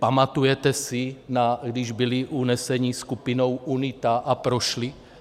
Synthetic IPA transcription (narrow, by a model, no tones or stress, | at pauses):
pamat̪ujɛt̪ɛsinaɡdɪʒbiliʔunɛsɛɲiskupino̞wʔunit̪aʔapɾoʃli